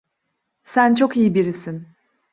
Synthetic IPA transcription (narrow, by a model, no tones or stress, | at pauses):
sænt͡ʃʰokijibiɾisin